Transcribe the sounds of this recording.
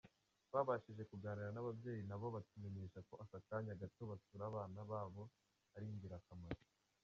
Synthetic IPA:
βaβaʃiʒe̞kuɡaːniɾanaβabje̞ːjinaβoβatumemeʃako̞ʔasataɲaɡatoβatuɾaːβaːnaβaːβo̞ | aɾiɲɡiɾakʰamaɾo

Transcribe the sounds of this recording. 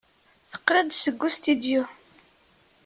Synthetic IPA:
θə̥qːɾəd̪səɡːust̪id̪ju

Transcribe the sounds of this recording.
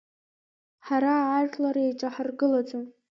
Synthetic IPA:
ħaɾaːʒlaɾait͡ʃʼaħarɡɨlat͡sʼom

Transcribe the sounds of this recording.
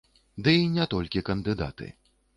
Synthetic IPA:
d̪ɨinʲɛt̪ɔlʲkʲikɐnd̪ɨd̪a̰t̪ɨ̰

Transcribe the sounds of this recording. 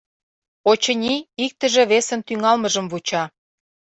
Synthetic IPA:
ot͡ɕə̆nʲiik̚t̪ə̆ʒĕβesə̆nt̪yŋɑlməʒə̆mvut͡ɕɑ

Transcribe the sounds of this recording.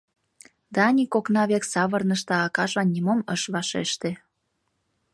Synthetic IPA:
d̪ɑːnʲikoknɑβeksɑβərnəʃt̪ɑɑkɑʒɑnʲːimoməʃβɑʃḛʃt̪e

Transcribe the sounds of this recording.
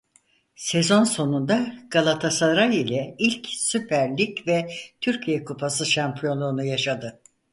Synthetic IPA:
se̞zo̞nso̞nund̪aɡ̥alˠat̪ʰasaɾajilʲɛilʲcsypʰæɾlʲicvɛt̪ʰyɾcʰijɛkʰupʰasɯʃampʰijo̞nˠuːnujaʃad̪ɯ

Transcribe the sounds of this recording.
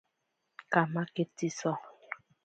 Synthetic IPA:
kamaketisɔ

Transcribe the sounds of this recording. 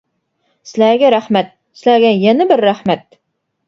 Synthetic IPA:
sɪlæɾɡʲɛɾæhmæt̪̚ | sɪlæɾɡʲɛjɛnɪbɪɾːæhmæt̪̚

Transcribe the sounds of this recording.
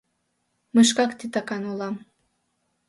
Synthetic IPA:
məʃ̬kɑkt̪it̪ɑkɑnolɑm

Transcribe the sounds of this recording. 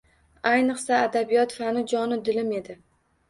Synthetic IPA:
ajnɨqsaːd̪abijɒt̪fanɪd͡ʒɒnɪd̪ɪlɪme̞d̪ɪ

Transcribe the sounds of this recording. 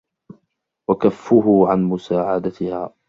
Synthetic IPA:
wakafːʊɦʊʕanmʊsaːʕad̪at̪ɪhaː

